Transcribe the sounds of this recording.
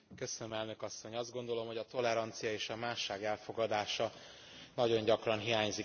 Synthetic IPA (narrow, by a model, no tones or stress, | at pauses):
køsønømɛlnø̞kɒsːo̞ɲɒzd̪ɡo̞nd̪o̞lo̞mho̞ɟɒt̪o̞lɛɾɒnt̪sijɒeːʃɒmaːʃaːɡɛlfo̞ɡɒd̪aːʃɒ | nɒɟo̞ɲɟɒkrɒnɦijaːɲzi